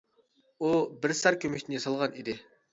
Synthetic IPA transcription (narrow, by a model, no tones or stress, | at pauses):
ubɪɾsɑɾkʲʰømɛkʲt̪ɪnɪjɑsɑlˠʁɑnid̪ɪ